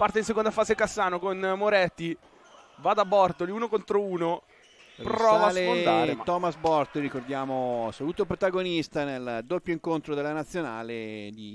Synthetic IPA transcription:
part̪eins̬ekond̪afaːzekasːaːnokonmoɾɛt̪ːi | vad̪abɔrt̪oliuːnokont̪ɾouːno | pɾɔːvalenaɾt̪ɔːmasbɔrt̪oɾikord̪jaːmoasoluːt̪op̬ɾot̪aɡonist̪aneld̪opːjoiŋkont̪ɾod̪elːanat̪sːjona̰ːled̪i

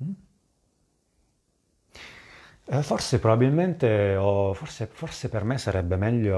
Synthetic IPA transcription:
fɔrsepɾobabilment̪eɔfɔrsefɔrsepermesaɾɛbːemɛʎːo

